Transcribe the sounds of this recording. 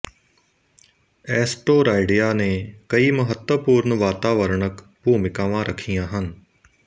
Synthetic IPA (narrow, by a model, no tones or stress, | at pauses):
ɛːsʈoːɾaːɪɖɪjaːnẽːkɐiːməɦət̪wəpuːɾɳʋaːt̪aːʋəɾɳək | puːmɪkãːʋãːɾʔəkʰijãːɦən